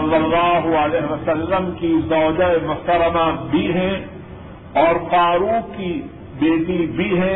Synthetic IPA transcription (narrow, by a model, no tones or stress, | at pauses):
ɐlːɐlːaːɦʊəlɛːɦeʋɐsəlːəmkizɔːd͡ʒaemʊt̪əɾəmabʱiɦɛ̃ | ɔːɾfaːɾuki | beːʈibʱiɦɛ̃